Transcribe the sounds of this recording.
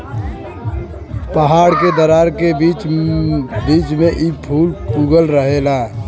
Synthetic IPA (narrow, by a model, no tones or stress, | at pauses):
pəɦaːɽked̪əɾaɾkeit͡ʃ | biːt͡ʃmẽʔipʰuːlkuɡəlɾəɦela